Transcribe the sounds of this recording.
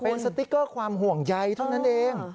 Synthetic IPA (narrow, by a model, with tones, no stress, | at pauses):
pe˧nsa˧t̪i˦˥kːɤː˥˩kʰwaː˧mɦu˨˩əŋja˧jt̪ʰa˥˩wna˦˥nʔeː˧ŋ